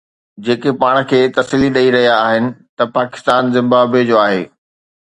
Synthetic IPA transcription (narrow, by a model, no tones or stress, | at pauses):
d͡ʑeːkepaːɽ̃kʰeːt̪ɐsiliɗɐiɾɐɦijaːɦɪnɪ̆t̪ɐpaːkɪ̥st̪aːnzɪ̃mbaːbed͡ʑoːaːɦeː